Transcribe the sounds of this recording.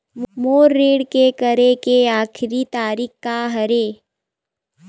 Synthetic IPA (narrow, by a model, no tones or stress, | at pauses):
moːɾːeːɽkekəɾekeaːkʰɪɾit̪aːɾikkaɦɐɾeː